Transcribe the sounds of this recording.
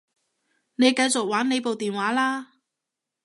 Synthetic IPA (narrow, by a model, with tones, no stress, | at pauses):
ne˨˧jkɐ˧jt͡sʊ˨k̚waː˨˥nne˨˧jpo˨wt̪iː˨nwaː˨˥laː˥